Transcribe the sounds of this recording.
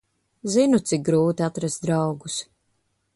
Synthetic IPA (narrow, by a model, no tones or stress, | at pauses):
zinut̪sɪk̚ɡɾuːt̪iat̪ɾast̪̚d̪ɾawɡus